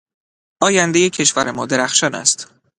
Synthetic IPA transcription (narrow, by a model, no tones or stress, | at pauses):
ʔɒːjænd̪ejecʰe̞ʃvæɾemɒːd̪e̞ɾæxʃɒːnæ̰st̪